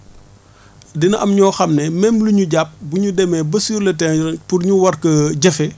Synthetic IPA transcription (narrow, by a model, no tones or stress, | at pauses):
dinɐʔɐmɲɔːxɐmnɛmɛmluɲuɟap̚buɲudɛmɛbɐsiːɾlɐtɛpurɲuwɐrkɐɟɐfɛ